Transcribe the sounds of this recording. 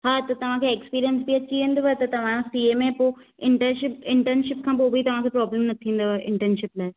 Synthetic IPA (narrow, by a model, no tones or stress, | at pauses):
ɦaːt̪ɐt̪ɐʋ̤ãkʰeeːksə̥piːɾijənsbiɐt͡ɕiɦẽːnd̪oʋaet̪ɐt̪ɐʋ̤ãsiemẽpoː | ɪ̃ɳʈəʃɪpɪ̃ɳʈənʃɪpkʰãːpoːbʱit̪ɐʋ̤ãkʰepɾɔːbləmnɐt̪ʰĩːnd̪oʋʔɪ̃ɳʈənʃɪplaːɦe